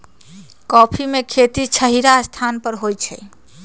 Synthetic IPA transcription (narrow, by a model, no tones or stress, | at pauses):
kɔpʰimekʰet̪it͡ʃʰəɦiɾast̪ʰanpəɾɦojt͡ʃʰɛ